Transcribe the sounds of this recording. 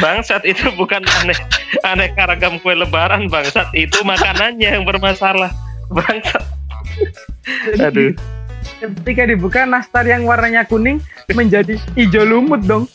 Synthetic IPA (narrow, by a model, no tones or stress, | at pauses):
baŋsat̪it̪ubukananɛhanɛkaɾaɡamkuɛləbaɾanbaŋsat̪̚it̪umakananɲajaŋbərmasalahbaŋsat̪̚ | aado | kət̪ikadibukanast̪arjaŋwarnaɲakunɪŋ | məɲd͡ʒadiːd͡ʒolumʊt̪̚dɔŋ